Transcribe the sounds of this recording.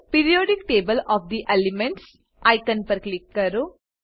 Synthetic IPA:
piːɾijoːɖik̚ʈeːbɐlɔːfd̪iʔelimẽɳʈs | ʔɐjkɐnpɐɾklikːɐɾu

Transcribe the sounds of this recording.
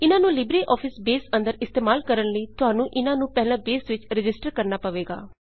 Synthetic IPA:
ɪnãːnũːlɪbɾeːʔɔːpʰɪsbeːsə̃nd̪əɾɪst̪eːmaːlkəɾənləiːt̪ʊɦaːnũːʔɪnãːnũːpɛɦlãːbeːsʋɪt͡ʃɾɪd͡ʒɪsʈəɾkəɾnaːpəʋeːɡa̰ː

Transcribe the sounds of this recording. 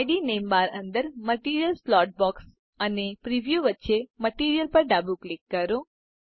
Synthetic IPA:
jɖinembaɾə̃nd̪əɾməʈiɾijəlslɔʈ̚bɔks | ənepɾiʋjuʋətːʃeməʈiɾijəlpəɾɖabuklikːəɾo

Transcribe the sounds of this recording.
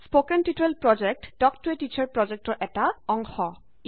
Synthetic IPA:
spokenʈiʈɹelpɹɔd͡ʒek̚ʈɖ̥ɔkʈɔɹeʈit͡ɕaɹpɹɔd͡ʑek̚ʈɔɹʔɛtaɔŋxɔ

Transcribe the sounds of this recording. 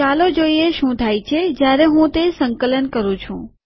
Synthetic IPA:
alod͡ʒoieʃũt̪ʰajt͡ʃʰed͡ʒjaɾeɦũt̪esəŋkələnkəɾũt͡ʃʰṵ̃

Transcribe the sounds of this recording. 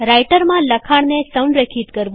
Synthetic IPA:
ɾajʈəɾmãləkʰaɽnesəwɳɖɾəkʰit̪kəɾʋ

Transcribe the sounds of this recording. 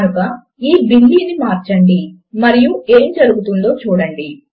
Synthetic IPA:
ɾuɡaː | iːbilːiːnimaːɾt͡ʃɐɳɖi | mɐɾijueːmd͡ʒɐɾuɡut̪und̪o̞ːt͡ʃuːɽɐɳɖi

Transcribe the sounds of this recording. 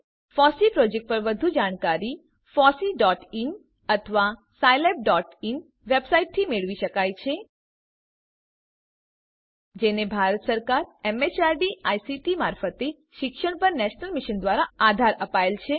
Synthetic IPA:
fɔsipɾɔd͡ʒek̚ʈ̚pəɾʋəd̪ʱud͡ʒaɽ̃kaɾi | fɔsiɖɔʈin | ət̪ʰəʋa | sajlep̚ɖɔʈin | ʋebsaiʈ̚t̪ʰimeɭʋiʃəkajt͡ʃʰe | d͡ʒenebʱaɾət̪səɾkaɾemet͡ʃaɾɖiajsiʈimaɾfət̪e | ʃɪkʃəɽ̃pəɾnɛʃnəlmiʃənd̪ʋaɾaad̪ʱaɾəpaelt͡ʃʰe

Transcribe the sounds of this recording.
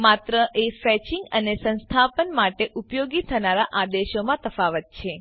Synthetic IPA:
mat̪ɾəʔefɛt͡ʃiŋɡənesə̃nst̪ʰapənmaʈeʔupjoɡit̪ʰənaɾaʔad̪eʃomãt̪əfaʋət̪̚t͡ʃʰe

